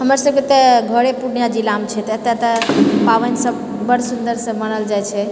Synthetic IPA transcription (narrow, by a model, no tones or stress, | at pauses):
ɦəməɾsəb̚ket̪əɡʱəɾepuɽjad͡ʒilamt͡ʃʰɛt̪et̪et̪əpaʋənsəb | bəɽsund̪əɾsə̃mənəld͡ʒajt͡ʃʰɛ